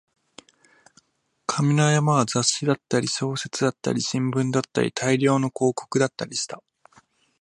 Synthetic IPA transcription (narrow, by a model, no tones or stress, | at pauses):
kʰamʲinajamaβazaɕid̪at̪ːaɾʲiɕo̞ːse̞t͡sɨd̪at̪ːa̰ɾʲiɕĩmbɯ̟̃nd̪at̪ːa̰ɾʲḭt̪ʰaiɾʲo̞ːno̞ko̞ːko̞̥kɯ̟d̪at̪ːaɾʲiɕi̥t̪a